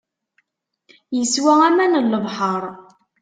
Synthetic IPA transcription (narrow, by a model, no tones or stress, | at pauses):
jəswææmænəlːəvħəɾˤ